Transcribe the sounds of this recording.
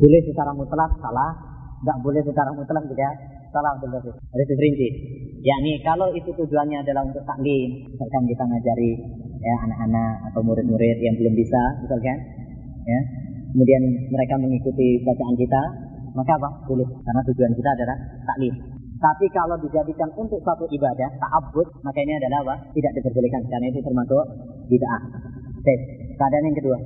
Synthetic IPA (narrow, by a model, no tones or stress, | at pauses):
bulɛhsət͡ʃaɾamut̪lafsalah | ŋɡaʔbolɛhs̬ət͡ʃaɾamut̪lahd͡ʒ̪iɡa | salahunt̪ultas | ɾisipəɾintijaʔnikalowit̪ut̪ud͡ʒuanɲaːdalaɦunt̪ʊk̚t̪aʔlimisalkankit̪aməŋad͡ʒaɾijaanak̚anak̚at̪awmuɾɪt̪̚muɾɪt̪̚jaŋbəlʊmbisamisalkan | ja | kəmudianməɾekaməŋikut̪ibat͡ʃaʔankit̪a | makabahdulʊkarnat̪ud͡ʒuankit̪aːdalaht̪aʔlɪn | t̪apikalowdid͡ʒadikanunt̪ʊk̚səat̪uʔibadaht̪aʔabʊt̪̚makainiadalahbaht̪idaʔ̚dipərbolikanskarənait̪ut̪ərmasʊʔ | didaʔaʔsakəadanjaŋkədua